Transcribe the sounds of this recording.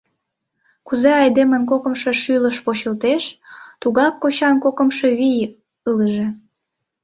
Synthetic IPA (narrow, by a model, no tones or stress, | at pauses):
kuzeɑjd̪emənkokə̆mʃe̽ʃyləʃpot͡ɕəlt̪eʃt̪uɣɑkːot͡ɕɑnkokəmʃeβij | ələʒe